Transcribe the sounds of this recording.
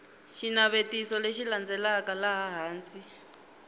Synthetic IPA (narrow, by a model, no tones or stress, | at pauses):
ʃinaβetisɔleʃiland͡zɛlakalaɦaɦaːnt͡sʼi